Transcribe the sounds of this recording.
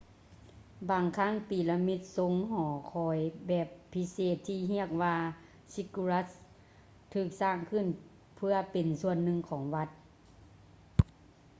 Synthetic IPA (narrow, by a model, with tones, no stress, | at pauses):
baː˨ŋkʰaː˧˥˨ŋpiː˨˩la˧mi˧˥t̪̚so˧˥ŋhɔː˨˩˦kʰɔː˨˦jbɛː˨˩pʰːi˧˥seː˧˩t̪ʰːiː˧ɦi˧˥ək̚ʋaː˧ | si˧ku˧ɾa˧˥s | t̪ʰɯː˧˩k̚saː˧˩ŋkʰɯ˧˩˨n | pʰɯ˧ɐpe˨nsu˧˨ənːɯ˧ŋkʰɔː˩˦ŋʋa˧˥t̪̚